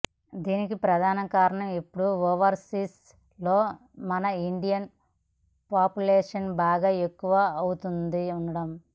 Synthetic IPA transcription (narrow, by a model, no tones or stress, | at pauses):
d̪iːnikipɾɐd̪ʱaːnɐkaːɾɐɳɐmepːuɽuoːʋɐɾsiːs | loː | mɐnɐiɳɖijɐn | paːpjuleːʂɐnbaːɡaːekːuʋaːɐwut̪und̪iuɳɐɽɐm